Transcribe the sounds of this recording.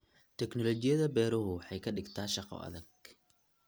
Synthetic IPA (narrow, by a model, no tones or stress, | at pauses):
t̪ʰɛknɔlɔt͡ʃɪjɐðɐbɛːɾʊɦʊħɛjkʰɐɖɪɡt̪ʰaːʃɑqɔ̰ʔɐ̰ðɐɡ̚